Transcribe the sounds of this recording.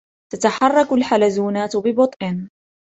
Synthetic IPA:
t̪at̪aħɑrˤːɑkʊlħalazuːnaːt̪bɪbʊt̪ˤʔɪn

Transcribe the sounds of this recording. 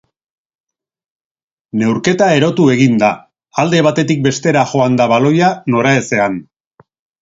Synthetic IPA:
ne̞wɾke̞t̪ae̞ɾo̞t̪ue̞ɣ̞ind̪aː | ld̪e̞β̞at̪e̞t̪ik̚be̞st̪e̞ɾaʝo̞and̪aβalo̞jano̞ɾae̞se̞an

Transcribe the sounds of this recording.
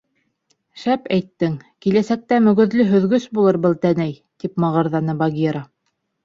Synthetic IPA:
ʃæpæjt̪ːɘŋkilæsæk̚t̪æmɵ̆ɡɵ̆ðlɵɦɵ̆ðɡɵsbulˠɤɾbɤlˠt̪ænæj | t̪ipmɑʁɤ̆ɾðɑnɤbɑɡʲeɾa

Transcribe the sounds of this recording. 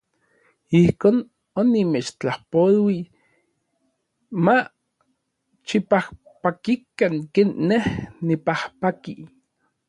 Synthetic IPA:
ihkoːn | onːimet͡ʃt͡ɬahpolwi | ma | t͡ʃipah | pakikaŋkeːnːehnipahpaki

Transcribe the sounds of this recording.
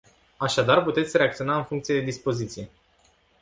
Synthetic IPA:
aʃad̪arput̪e̞t̪sʲre̞akt̪sio̞naɨnfuŋkt̪sije̞d̪e̞d̪ispo̞zit̪sije̞

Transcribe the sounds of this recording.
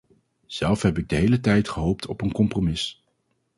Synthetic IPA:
z̥ɛlˠfɦɛpɪɡ̚dəɦejlətɛjtχəɦowp̚tʰɔpənkɔmpromɪs

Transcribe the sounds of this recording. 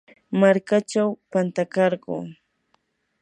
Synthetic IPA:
maɾkat͡ʃawpant̪akɑɾɢo̰ː

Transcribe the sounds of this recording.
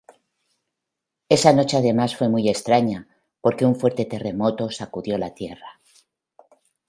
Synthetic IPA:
e̞sano̞t͡ʃe̞aðe̞masfwe̞muje̞st̪ɾaɲa | po̞ɾke̞uɱfwe̞ɾt̪e̞t̪e̞re̞mo̞t̪o̞sakuðjo̞lat̪je̞ra

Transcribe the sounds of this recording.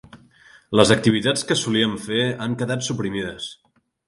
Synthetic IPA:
ləzək̚t̪iβ̞it̪at͡skəsuliəɱfeaŋkəðat̪supɾimiðəs

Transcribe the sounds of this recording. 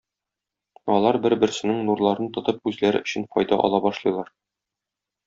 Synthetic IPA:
ɒlˠɑɾbɘɾbɘ̆ɾsɘ̆nɘŋnuɾlˠɑɾɤnt̪ŏt̪ɤp̚ʉzlæɾɘ̆ɵ̆ɕɘ̆nfɒ̰jd̪ɑ̰ʔɒ̰lˠɑbɒʃlˠɤ̆jlˠɑɾ

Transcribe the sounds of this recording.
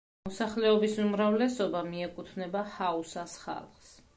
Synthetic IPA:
ɔsaχlɛɔbisumɾavlɛsɔbamiɛkʼut̪ʰnɛbahausasχa̰lˠχs

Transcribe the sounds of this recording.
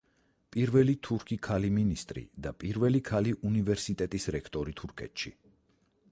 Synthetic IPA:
pʼiɾvɛlit̪ʰuɾkʰikʰaliminist̪ʼɾḭd̪apʼiɾvɛlikʰaliʔunivɛɾsit̪ʼɛt̪ʼisɾɛkʰt̪ʼɔɾit̪ʰuɾkʰɛ̰t̪ʃḭ

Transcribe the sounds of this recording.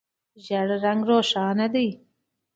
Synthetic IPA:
ʒaɽɾaŋɡɾoːʃɑːnad̪əj

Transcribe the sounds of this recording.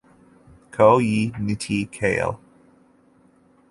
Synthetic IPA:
kʰoʊjiːnitʰikʰḛlˠ

